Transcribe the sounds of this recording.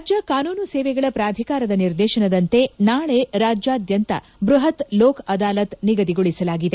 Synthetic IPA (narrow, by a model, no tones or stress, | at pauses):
d͡ʒɐkaːnuːnuseːʋɛɡɐɭɐpɾaːd̪ʱikaːɾɐd̪ɐniɾd̪ɛːʃɐnɐd̪ɐnt̪e̞naːɭe̞ɾaːd͡ʒjaːd̪jɐnt̪ɐ̰ | bɾuɦɐt̪loːkʰɐd̪aːlɐt̪niɡɐd̪iɡoɭisɐlaːɡid̪e̞